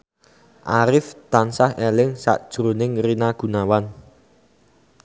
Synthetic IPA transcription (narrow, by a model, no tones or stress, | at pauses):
ʔaɾɪft̪ansahelɪŋsa̰ʔd̥ʒ̥ɾonɪŋrinaɡ̥ṳnawan